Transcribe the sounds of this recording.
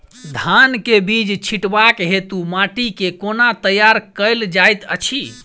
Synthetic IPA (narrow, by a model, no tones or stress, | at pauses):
d̪ʱankebid͡ʒt͡ʃʰiʈbakɦet̪umaʈikekonat̪əjaɾkəjld͡ʒajt̪ə̰t͡ʃʰi